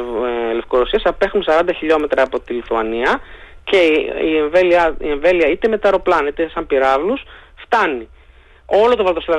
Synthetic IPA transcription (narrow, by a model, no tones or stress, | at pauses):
le̞fkoɾosiɐsɐpe̞xunsɐɾɐnd̪ɐçiʎo̞me̞t̪ɾɐːpo̞t̪iliθuɐniɐ | ce̞ieɱveliɐḭe̞ɱve̞liɐit̪e̞me̞t̪ɐɾo̞plɐnit̪esɐmpiɾɐvlusft̪ɐni | o̞lo̞t̪o̞vɐlt̪osilɐ